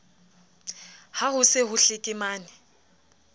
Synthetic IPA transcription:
hahʊsɪɦʊɬɪkʼɪmaːnɪ

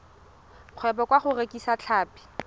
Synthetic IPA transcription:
q͡χʰwɛpɔkwaχʊrekisat͡ɬʰaːpi̥

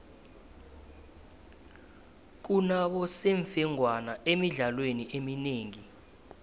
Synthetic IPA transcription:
k̬unaɓɔseɱfɛŋwanaemiɮalweniʔemineːŋi

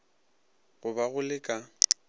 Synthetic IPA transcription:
ɣʊbaɣʊlɪkʼa

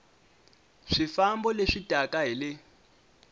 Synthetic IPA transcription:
ʂifambɔleʂid̥ʱakʼaɦilɪ

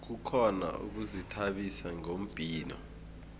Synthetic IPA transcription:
k̬ukʰɔna̰ṵk̬uzitʰaɓisaŋom̩b̥ʱiːnɔ̰

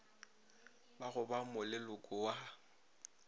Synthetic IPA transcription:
baɣʊbamʊlɪlʊkʼʊwa

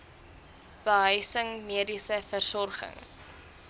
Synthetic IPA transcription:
b̥əɦœɥsəŋmiədisəfərsɔrχə̰ŋ

